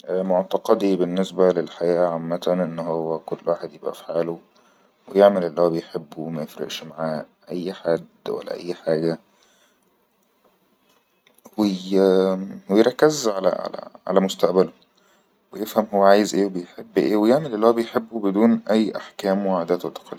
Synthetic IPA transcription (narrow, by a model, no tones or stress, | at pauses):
moʕt̪ɑqɑd̪ibenːesbælelħajæːʔʕamːæt̪ænʔenːɦowːækolːwaːħed̪jebʔæ̰fi̥ħaːlo | wejeʕmelʔelːihowːæbejħebːumæjefɾḛʔʃmaʕaː | ʔæjːħad̪ːwæ̰lːæ̰ʔæ̰jːħaːɡæ | we | wejeɾˤɑkːezʕalæ̰ʕa̰læ̰ʕa̰læmost̪æʔbælo | wejefhæmhowːæʕaːjezʔeːwebejħebːʔḛːwejeʕmelʔelːihowæbejħebːubed̪uːnʔæjːʔaħkæːmweʕad̪æːt̪wet̪ɑ̥qʰɑlː